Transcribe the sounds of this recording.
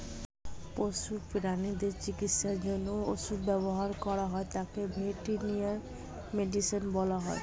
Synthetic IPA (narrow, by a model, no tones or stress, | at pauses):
poʃupiɾanid̪eɾt͡ɕikit̪ʃaɾd͡ʑonːooʃubɛboɦaɾkɔɾaɦɔet̪akebʱeʈinijaɾ | meɖisinbɔlaɦɔe